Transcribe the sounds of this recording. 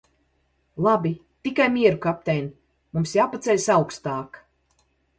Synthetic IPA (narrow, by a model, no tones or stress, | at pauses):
lˠabit̪ikajmʲiɛɾukap̚t̪ɛjn | mumsjaːpat̪sɛlʲsawkst̪aːk